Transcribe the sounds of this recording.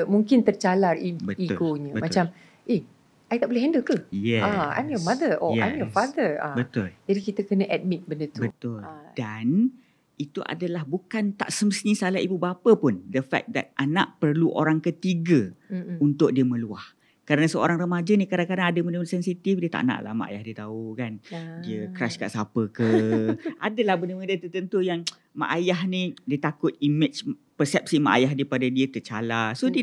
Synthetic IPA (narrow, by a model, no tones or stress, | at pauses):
muŋkɪnt̪ərt͡ʃalaribəiɡoɲə̃mat͡ʃam | ʔeh | ʔajt̪aʔbolɛɦɛndəkəjɛãa̰mjɔmãd̪əɔa̰jɔfad̪əã̰bət̪ʊld͡ʒadikit̪əkənə̃ʔɛt̪̚mit̪̚bəndət̪ubət̪ʊldan | it̪uʔa̰dalahbukant̪a̰ʔsəməsnĩsalaibubapəpʊndəfɛ̰k̚da̰t̪̚ʔana̰ʔpərluʔo̰ɾaŋkət̪iɡəunt̪ʊk̚diəməluah | kəɾanasəo̰ɾaŋrəmad͡ʒanikadaŋkadaŋadəmənəməsɛnsit̪ifdiət̪a̰ʔna̰ʔla̰hma̰ʔa̰ja̰hdiət̪aukandiəkɾaskaʔsapəkəʔa̰dəlahbənəmə̃diət̪ərt̪ənt̪ujaŋ | ma̰ʔajaɦnĩdiət̪akʊt̪̚imɪt͡ʃ | pərsɛp̚sima̰ʔa̰jaɦdaipadadiət̪ət͡ʃa̰lasod